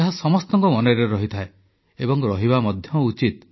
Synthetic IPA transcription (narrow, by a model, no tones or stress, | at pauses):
aɦasɔmɔst̪ɔŋkɔmɔnɔɾeɾɔɦit̪ʰae | ebɔŋɾɔɦiβamɔd̪ʱjɔut͡ʃit̪